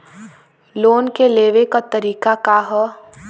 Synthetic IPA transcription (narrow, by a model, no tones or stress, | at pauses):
loːnkeleːʋekat̪ɐɾiːkakaɦɔ